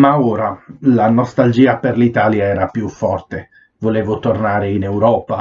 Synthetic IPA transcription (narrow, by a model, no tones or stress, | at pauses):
maoːɾalanɔst̪ald͡ʒiːaperlit̪aːljaɛːɾapjufːɔrt̪e | voleːvot̪ornaːɾeinɛwɾɔːpa